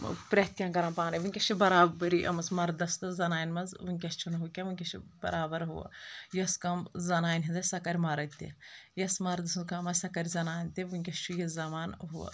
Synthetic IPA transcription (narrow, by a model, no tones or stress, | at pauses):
pɾʲɐt̪jãːnkɐɾãːpaːnɐʋunʲkʲɐʃt͡ʃʰibɐɾaːbɐɾiʔɐ̰mɐsmɐɾd̪ɐst̪ɨzɐnaːnʲmɐnzʋuŋʲkʲɐst͡ʃʰunɦukʲɐʋunʲkʲɐʃʰibɐ̰ɾaːbɐɾɦṵɐ̰jɐskɐmzɐnaːnʲɦizɐsɐkɐɾʲmɐɾɐt̪ḭjɐsmɐɾd̪ɐskɐmɐsɐkɐɾʲzɐnaːnʲt̪iʋunʲkʲɐst͡ʃʰujɐzɐmaːnɦuɐ̰